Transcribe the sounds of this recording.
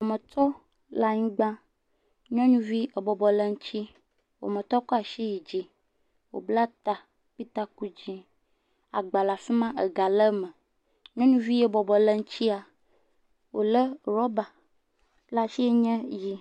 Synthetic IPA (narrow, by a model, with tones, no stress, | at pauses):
o˨mə̃˨t̪ɔ˦ | la˨ɲĩ˦ɡ͡bã˦ | ɲɔ̃˦ɲũ˦vi˦e˨bɔ˨bɔ˨lə˦ŋ̩˦t͡ɕi˦ | wo̰˨mə̃˨t̪ɔ˦kɔ˦a˨ʃi˦ji˨d͡ʒi˦ | wo̰˨bla˦t̪a˨ | k͡pi˦t̪a˦ku˦d͡ʑi˦ | a̰˨ɡ͡ba˨la˨fi˦mã˦ʔe˨ɡa˨lə˦mə˨ | ɲɔ̃˦ɲũ˦vi˦je˦bɔ˨bɔ˨lə˦ŋ̩˦t͡ɕi˦a˨ | wo˨lə˦ɾɔ˦ba˨ | la˨ʃi˦e˦ɲɛ̃˦ji˦